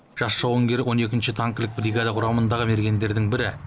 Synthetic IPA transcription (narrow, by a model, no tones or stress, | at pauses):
ʒ̥ɑsʃɑwəŋɡʲe̞ɾwʔo̞ne̞kʲɪnʃɪt̪ʰaŋkʲlɪk̚bɾiɡad̪ɑqʰʊɾɑmənd̪ɑʁəme̞ɾɡʲe̞nd̪e̞ɾd̪ɪŋbɪɾɪ